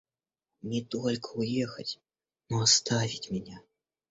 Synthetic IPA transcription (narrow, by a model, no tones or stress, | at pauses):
nʲɛt̪ɔlʲkʰəujɛxɐt͡sʲ | nɔast̪avʲit͡sʲmʲɛnʲɛ